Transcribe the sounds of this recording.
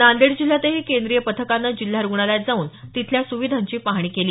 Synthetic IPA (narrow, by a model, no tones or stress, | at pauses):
nand̪eɽd͡ʑil̤ːat̪eɦekend̪ɾijəpət̪ʰəkanːad͡ʑil̤ːaɾuɡɳaljat̪̚d͡zauːnt̪it̪ʰljasuʋid̪ʱaɲt͡ɕiːpaɦɽ̃iːkeliː